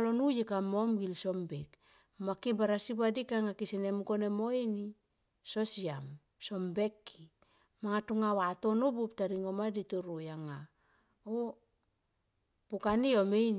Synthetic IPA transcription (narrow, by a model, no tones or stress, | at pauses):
lonujekamomɡilsombek | makibaɾasibadikaŋakisenemuko̞nemoini | sosiam | so̞mbekːi | maŋatuŋawatonobup̚taɾiŋomadituɾujaŋa | o | pukaniomejn